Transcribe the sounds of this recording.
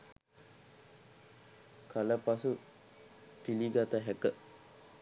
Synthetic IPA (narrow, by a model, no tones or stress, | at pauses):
kʰaləpasu | piliɡat̪aɦɛkə